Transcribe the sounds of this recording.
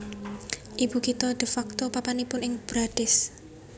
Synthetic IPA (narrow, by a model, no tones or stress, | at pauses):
ʔib̥ukit̪ɔd̪̥ə̤fak̚t̪ɔpapanipʊnɪŋb̥ɾaɖ̥ɪs